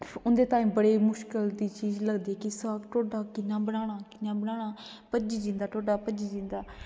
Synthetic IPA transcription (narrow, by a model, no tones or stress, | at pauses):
ʊnd̪eːt̪aːĩːbəɽeːmʊʃkəld̪iːt͡ʃiːzləɡd̪iːɛkɪsəːkʈoːɖaːkɪnːãːbəɽ̃aːɽ̃aːkɪnːãːbəɽ̃aːɽ̃aː | pəd͡ʒiːd͡ʒɪ̃nd̪aːʈoːɖaːpəd͡ʒiːd͡ʒɪ̃nd̪aː